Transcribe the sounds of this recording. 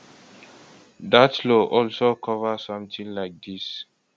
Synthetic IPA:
datloʔɔlsokʰɔvəsɔ̃mt̪ĩŋlaɪk̚d̪is

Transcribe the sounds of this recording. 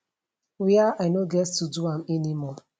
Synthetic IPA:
wiaaɪnoɡɛttuduãmɛnimɔ

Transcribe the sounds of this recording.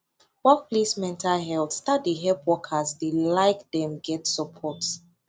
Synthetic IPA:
wɔk̚plesmɛ̃ntalɦɛltstadiɦɛpwɔkʰasdelaɪkdɛ̃mɡɛtsɔpʰɔt

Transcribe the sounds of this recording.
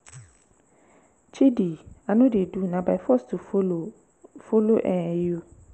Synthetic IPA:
t͡ʃʰidianũdɪdunãbajfɔstufo | foloʔɛjio

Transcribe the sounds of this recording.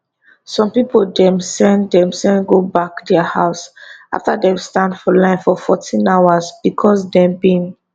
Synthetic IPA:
sɔ̃mpipoldɛ̃msɛ̃nddɛ̃msɛ̃nɡobakdɛahaʊsa̰ftadɛ̃vstãndfɔlãɪ̃nfɔfɔtʰĩnaʊwazb̥ikʰɔsdɛ̃mbĩn

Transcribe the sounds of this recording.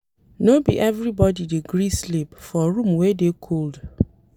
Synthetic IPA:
nobḭʔɛvɹibɔdideɡɹislipfɔɹũmwɛdekʰold

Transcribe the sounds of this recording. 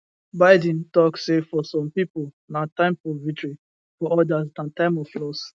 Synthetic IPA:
baɪdɛ̃n̩tɔkssefɔsɔ̃mpipol | nãtãɪ̃mfɔvitɹi | fɔɔdasdãntãɪ̃mɔvflɔs

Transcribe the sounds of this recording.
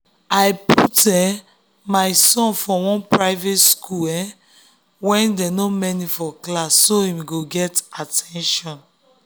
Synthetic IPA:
ajputɛ | maɪsɔ̃nfɔwɔ̃npɹaɪvetskʰuɛ | wɛ̃ndɛnomɛnifɔklasːoĩmɡoɡɛtatʰɛ̃nʃɔ̃n

